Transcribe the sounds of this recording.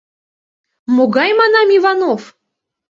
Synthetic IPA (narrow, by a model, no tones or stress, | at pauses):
moɡɑjmɑnɑmivɑnof